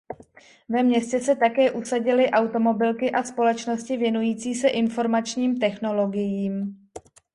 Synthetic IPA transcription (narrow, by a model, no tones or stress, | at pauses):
vɛmɲɛscɛsɛt̪akɛːʔusaɟɪlɪʔawt̪o̞mo̞bɪlkɪʔaspo̞lɛt͡ʃno̞scɪvjɛnujiːt͡siːsɛʔɪnfo̞ɾmat͡ʃɲiːmt̪ɛxno̞lo̞ɡɪjiːm